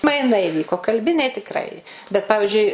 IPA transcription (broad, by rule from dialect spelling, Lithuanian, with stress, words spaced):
mɐɪˈnɐɪ ɪˈʋʲiːkoː kɐlʲˈbʲɪnʲɛɪ tʲɪkˈrɐɪ bʲɛt ˈpɑːʋʲɪʒʲʊɪ